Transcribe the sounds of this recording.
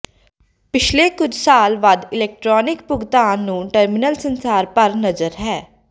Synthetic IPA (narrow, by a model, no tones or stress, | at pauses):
pɪt͡ʃʰleːkʊd͡ʒʱsaːlʋad̪ɪlɛːk̚ʈɾɔːnɪkpʊɡt̪aːnːũːʈəɾmɪnəlsənsaːɾpəɾnəzəɾɦɛː